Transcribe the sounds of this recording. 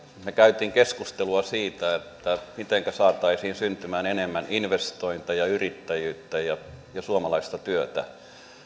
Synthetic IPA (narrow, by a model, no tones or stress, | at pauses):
mekæyt̪iːŋkeskust̪eluɑsiːt̪æet̪ːæmit̪eŋkæsɑːt̪ɑisiːnsynt̪ymæːnenemːæninʋest̪oint̪ɑjɑyrit̪ːæjyːt̪ːæjɑjɑsuomɑlɑist̪ɑt̪yøt̪æ̰